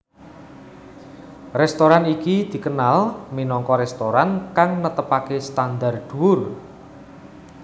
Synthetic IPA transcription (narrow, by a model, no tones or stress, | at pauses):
rɛst̪oɾanikid̪̥i̤kənalminɔŋkɔɾɛst̪oɾankaŋnət̪əpakest̪and̪ard̪̥uwʊr